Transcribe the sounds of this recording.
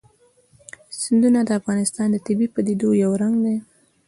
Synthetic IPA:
sɪnd̪unad̪əafɣɑnɪst̪ɑnd̪ət̪ɪbipəd̪id̪ojawɾaŋɡd̪e

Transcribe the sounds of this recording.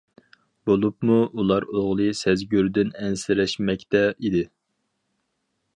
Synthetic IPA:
b̥olˠupmuulˠɑɾoʁlˠɨsɛzɡʲyɾd̪ɪnɛnsɪɾɛʃmɛkʲt̪ɛid̪ɪ

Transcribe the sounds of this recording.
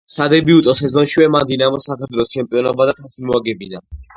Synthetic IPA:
sad̪ɛbiut̪ʼɔsɛzɔnʃiwɛmad̪inamɔsakʰaɾt̪ʰwɛlˠɔst͡ʃʰɛmpʼiɔnɔbad̪aχʰasimuaɡɛbina̰

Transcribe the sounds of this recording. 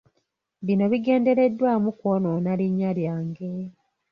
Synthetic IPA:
βino̞βiɡe̞ːnde̞ɾe̞dːwaːmukwononaliɲːaljaːŋɡe̞

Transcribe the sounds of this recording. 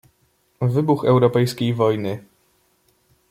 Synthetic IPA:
vɘbuxɛwɾɔpɛjskʲejvɔjnɘ

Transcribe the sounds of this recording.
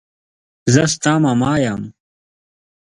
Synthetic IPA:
zɐst̪ãːmamaːjam

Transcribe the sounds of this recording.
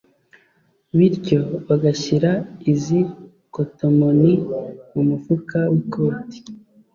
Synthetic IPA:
βiɾco̞βaɡaçiɾaizi | koto̞moniumufukawiko̞ːti̥

